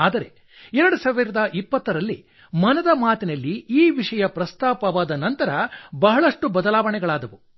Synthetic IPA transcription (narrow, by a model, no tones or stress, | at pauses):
aːd̪ɐɾe̞ | ɛɾɐɽusaːʋiɾɐd̪ɐʔipːɐt̪ːɐɾɐlːi | mɐnɐd̪ɐmaːt̪inɐlːiiːʋiʂɐjɐpɾɐst̪aːpɐʋaːd̪ɐnɐnt̪ɐɾɐbɐɦɐɭɐʂʈubɐd̪ɐlaːʋɐɳɛɡɐɭaːd̪ɐʋu